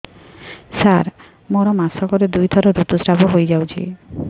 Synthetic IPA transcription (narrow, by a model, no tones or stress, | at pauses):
saɾ | mɔɾɔmasɔkɔɾed̪ujt̪ʰɔɾoɾut̪usɾaboɦojd͡ʑawt͡ɕʰḭ